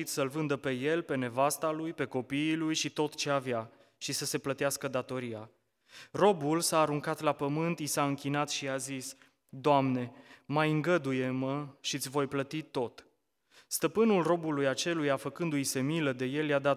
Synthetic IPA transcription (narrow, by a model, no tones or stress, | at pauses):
it̪səlvɨnd̪əpe̞je̞lpe̞ne̞vast̪alujpe̞ko̞piːlujʃit̪o̞t̪t͡ʃe̞avja | ʃisəse̞plət̪easkəd̪at̪o̞ɾija | ro̞bulsaːɾuŋkat̪lapəmɨnt̪jisaɨŋkʲinat̪ʃiazis | d̪oamne̞majɨŋɡəd̪uje̞məʃit̪sʲvo̞jplət̪it̪o̞t̪ | st̪əpɨnulro̞bulujat͡ʃe̞lujafəkɨnd̪ujse̞miləd̪e̞je̞ljad̪a